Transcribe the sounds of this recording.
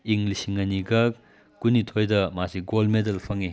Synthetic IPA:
iŋɡlisiŋɐniɡɐk | kunitʰojdɐmasiɡolmedɐlpʰɐŋi

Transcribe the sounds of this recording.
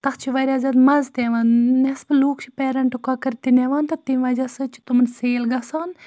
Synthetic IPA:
t̪ɐxt͡ʃʰiʋɐɾʲaːzʲɐd̪mɐzt̪eʋɐːnnɛsbɨluːkt͡ʃʰipɛːɾɐɳʈukɐkɐɾt̪ineʋaːnt̪ɐt̪imʋɐd͡ʒɐsɨt͡ʃʰi̥t̪umɐnseːlɡɐsaːn

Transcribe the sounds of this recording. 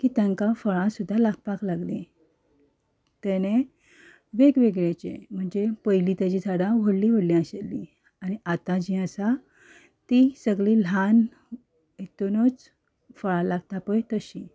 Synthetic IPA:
kiːt̪jaŋkafəɭãsud̪ʱːalaɡpaklaɡle | t̪ɛne | ʋeɡʋeɡɭet͡ɕḛm̤əɳd͡zepəjlit̪at͡ɕisʰaɽãʋoɽliʋəɽlĩaɕelːi | aniʔat̪ãd͡ʑiəsa | t̪isəɡɭil̤an | et̪unət͡s | fəɭalaɡt̪apəjt̪əɕĩ

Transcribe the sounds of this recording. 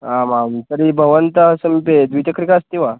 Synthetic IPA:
amamt̪əɾibʱəʋənt̪əsəmped̪ʋit̪əkɾikast̪iʋa

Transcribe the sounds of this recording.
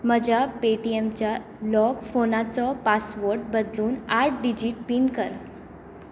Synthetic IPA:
məd͡ʑʱapeʈiemt͡ɕja | lɔɡfonat͡sɔpasʋoɾʈ̚bəd̪luːnaɾʈ̚ɖid͡ʑiːʈ̚piːɳkəɾ

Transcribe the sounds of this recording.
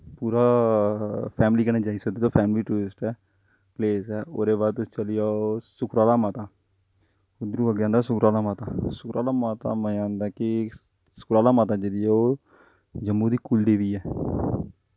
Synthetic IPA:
puːɾaː | pʰɛːmliːkənẽːd͡ʒaːisəd̪eːt̪oːpʰɛːmliːʈuːɾɪsʈɛː | pleːsɛːoːɾeːbaːt̪ʊst͡ʃəliːjaːosʊkɾaːlaːmaːt̪aː | ʊd̪ɾũːəɡjãːnd̪aːsʊkɾaːlaːmaːt̪aːsʊkɾaːlaːmaːt̪a̰ːməãːnd̪aːkɪ | sʊ̥kɾaːlaːmaːt̪aːd͡ʒeːɾiːɛːoː | d͡ʒəmːuːd̪iːkʊld̪eːʋiːɛː

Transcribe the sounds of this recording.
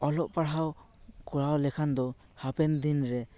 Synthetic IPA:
ɔlɔʔpaɽɦaw | kuɽawlɛkʰand̪ɔhapɛnd̪inɾɛ

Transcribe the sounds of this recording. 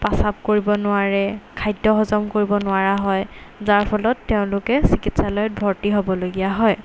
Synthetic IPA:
pasap̚koɹibɔnʊaɹɛkʰajdɔɦɔzɔmkoɹibɔnʊaɹaɦɔjzaɹpʰɔlɔtːeʊ̃lʊkɛsikitsalɔjɔt̚bʱɔɹtiɦobɔloɡijaɦɔj

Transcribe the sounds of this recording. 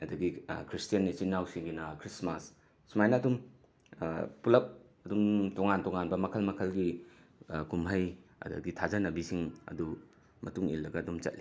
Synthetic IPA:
ɐdɐɡikɾistijɐnːit͡ʃinːawsiŋɡinɐkɾismasː | umajnɐɐdum | pulɐp̚ | ɐdumtoŋantoŋanbɐmɐkʰɐlmɐkʰɐlɡi | kumɦɐjɐ̰dɐ̰ɡitʰazɐnɐbisiŋɐ̰du | mɐtuŋḭlːɐɡɐːdumt͡ʃɐ̰t̚li

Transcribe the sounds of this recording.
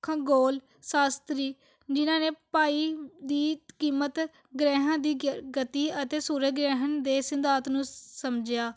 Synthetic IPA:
kʰãːɡoːl | saːst̪ɾiː | d͡ʒɪnãːneːpaːiːd̪iːkiːmət̪ | ɡɾɛːɦãːd̪iːɡət̪iːət̪eːsuːɾəɡɾɛːɦənd̪eːsɪnd̪aːt̪nũːsəmd͡ʒɪjaː

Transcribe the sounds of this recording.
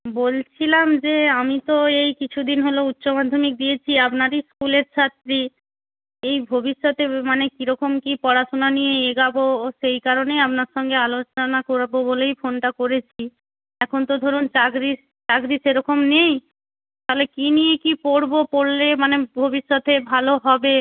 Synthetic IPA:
bolt͡ɕʰilamd͡ʑeamit̪oejkit͡ɕʰud̪inɦolout̪ːɕomad̪ʱːomik̚d̪ijet͡ɕʰiapnaɾiskuleɾt͡ɕʰat̪ːɾi | ejbʱobiʃːot̪emanekiɾɔkomkipɔɽaʃonanijeeɡaboʃejkaɾoneapnaɾʃɔŋɡealot͡ɕonakoɾbobolejfonʈakoɾet͡ɕʰi | ɛkʰont̪od̪ʱoɾunt͡ɕakɾis | t͡ɕakɾiseɾɔkomnej | t̪aɦolekinijekipoɽbopoɽlemanebʱobiʃːot̪ebʱaloɦɔbe

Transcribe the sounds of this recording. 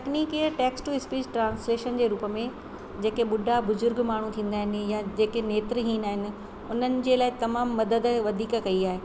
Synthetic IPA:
ʈɐkniːkiəʈɛːksʈuɪspiːd͡ʑʈɾãːnsleːʃənd͡ʑeːɾuːpəmẽ | d͡ʑeːkeɓʊɖʱabʊzʊɾɡmaːɳ̤ut̪ʰĩːnd̪aːɦɪnɪ̆jad͡ʑeːkeneːt̪ɾɦĩːnaːɦɪnɪ̆ | ʊn̤ənɪ̆d͡ʑeːlaːɪt̪ɐmaːmːɐd̪əd̪ʋɐd̪ʱiːkkɐiaːɦeː

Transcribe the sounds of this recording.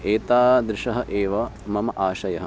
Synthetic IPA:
eːt̪aːd̪ɾɪʃɐɦɐʔeːʋɐ | mɐmɐʔaːʃɐjɐɦɐ

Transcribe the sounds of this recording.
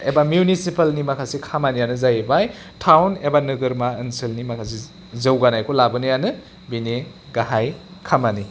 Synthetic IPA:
ebamjunisipalnimakʰasikʰamanijanɯzajebaj | tʰawnebanɯɡɯɾmaɯnselnimakʰas̬i | zɐwɡanajkʰolabɯnɯjanɯ | bine | ɡaɦajkʰamani

